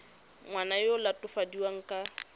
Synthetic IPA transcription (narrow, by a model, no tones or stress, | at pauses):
ŋwanajolatʼʊfadiwaŋ̩kʼa